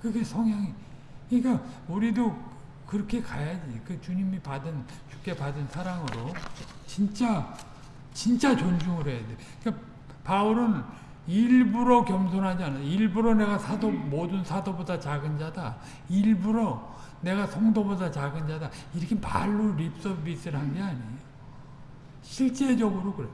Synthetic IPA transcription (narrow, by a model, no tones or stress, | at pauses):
kɯɡe̞sʰʌŋɦjaŋi | ik͈auɾido | kɯɾʌkʰe̞kajad͡ʑikɯt͡ɕuɲimipadɯn | t͡ɕu̥k̚k͈e̞padɯnsʰaɾaŋɯɾot͡ɕint͡ɕ͈a | t͡ɕint͡ɕ͈at͡ɕond͡ʑuŋɯɾejade | ka | pauɾɯn | iɭbuɾokjʌmsʰonɦad͡ʑianɯiɭbuɾone̞ɡasʰadomodɯnsʰadobodat͡ɕaɡɯnd͡ʑada | iɭbuɾo | ne̞ɡasʰʌŋdobodat͡ɕaɡɯnd͡ʑadaiɾʌkʰepa̰ɭːuɾip̚s͈ʌbis͈ɯɾhanɡeaɲijo | ɕʰiɭt͡ɕ͈e̞d͡ʑʌɡɯɾokɯɾe